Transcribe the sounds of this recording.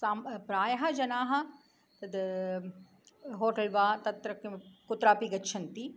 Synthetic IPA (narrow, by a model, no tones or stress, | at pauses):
saːmpɾaːjɐɦɐd͡ʒɐnaːɦɐ̆ | t̪ɐd̪ | ɦoːʈɐlʋaːt̪ɐt̪ɾɐkkʊt̪ɾaːpiɡɐtːʃʰɐnt̪i